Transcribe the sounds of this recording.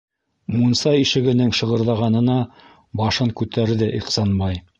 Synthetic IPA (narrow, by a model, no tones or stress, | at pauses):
munsɑjiʃɘ̆ɡɘ̆nɘŋʃɤ̆ʁɤ̆ɾðɑʁɑnɤ̆nɑ | bɑʃɤŋkʉt̪æɾðɘʔiqsɑnbɑj